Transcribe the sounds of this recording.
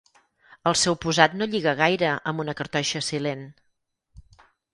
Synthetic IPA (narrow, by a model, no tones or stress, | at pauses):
əlˠsɛwpuzat̪noʎiɣəɣ̞ajɾəəmbunəkəɾt̪ɔʃəsilen